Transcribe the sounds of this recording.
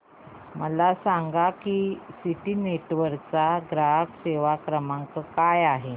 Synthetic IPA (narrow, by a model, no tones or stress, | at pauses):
məlasaŋɡakisiʈiːneʈʋəɾkt͡saɡɾaɦəkseʋakɾəmaŋkəkajaɦe